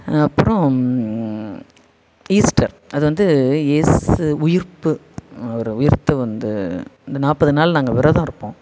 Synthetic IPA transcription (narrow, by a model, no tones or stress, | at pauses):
ɐpːɯɾɔ̃ | iːsʈɐɾ | ɐðɯʋɐnd̪ɯeːsʊjɪɾpɯ | ɐʋɐɾɯʊjɪɾt̪ːɯʋɐnd̪ɯɪnd̪ɐnaːpːɐðɯnaːlnaːŋɡɐʋɪɾɐðãːɪɾɯpːõː